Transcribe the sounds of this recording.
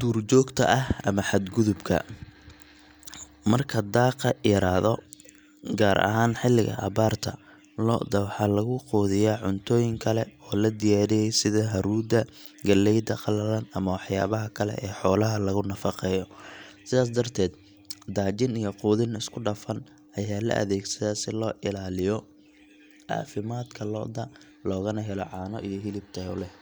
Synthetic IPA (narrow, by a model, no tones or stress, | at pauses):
d̪̥uːrt͡ʃɔːɡt̪ʰɐ̰ʔɐɦɐmɐħad̪ɡʊðʊbkʰɐ̰ | mɐrkʰɐd̪aːqɐjɐɾaːðɔ | ɡaːɾʔɐ̰ɦaːnħɪlːɪɣɐ̰ʔɐ̰βaːrt̪ʰɐ̰ | lɔ̰d̪ɐwħɑlɐɣʊquːðɪjaːʕʊnt̪ʰɔːjɪŋkʰɐlɛɔːlɐd̪ɪjaːɾɪjɛjsɪðɐɦɐɾuːd̪ɐ | ɡɐlːɛjd̪ɐqɑlɐlɐnɐmɐwɑħjaːβɐɦɐkʰɐlɛ̰ʔɛːħɔːlɐɦɐlɐɣʊnɐfɑqɛːjɔsɪðaːs̬d̪ɐrt̪ʰɛːd̪ | d̪aːd͡ʒɪnijɔquːðɪnɪskʰʊɖɐfɐn | ɐjaːlɐ̰ʔɐ̰ðɛːɡsɐðɐsɪlɔːʔɪlaːlɪjɔ | ʕɑ̰ːfɪmaːd̪kʰɐlɔ̰ːd̪ɐ | lɔːɣɐnɐɦɛlɔ̰ʕɑːnɔ̰ʔijɔɦɪlɪbt̪ʰɐɔ̰lɛ